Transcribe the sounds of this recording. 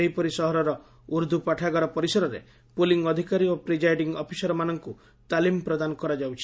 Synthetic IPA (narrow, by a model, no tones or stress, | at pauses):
eɦipɔɾisɔɦɔɾɔɾɔ | uɾd̪ʱupaʈʰaɡɔɾɔpɔɾisɔɾɔɾe | puliŋɡɔd̪ʱikaɾiopɾid͡ʒajɖiŋɡɔpʰisɔɾɔmanɔŋku | t̪alimpɾɔd̪anɔkɔɾad͡ʒawt͡ʃʰi̥